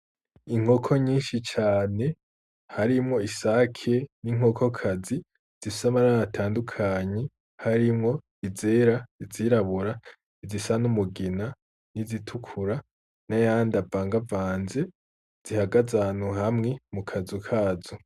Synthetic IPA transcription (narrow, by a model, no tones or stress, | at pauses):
iŋ̥o̞kʰo̞ɲiːnʃit͡ʃaːne̞ | haɾimŋo̞isakʰe̞niŋ̥o̞kʰo̞kʰazi | z̥isamaɾaɾatʰaːndukʰaɲe̞ | haɾimŋo̞ | ize̞ːɾaiziɾaβuɾa | izisanumuɡina | nizitʰukʰuɾa | najaːndavaːŋɡavaːnze̞ | z̥ihaɡazanhuhamŋe̞mukʰazukʰaːzo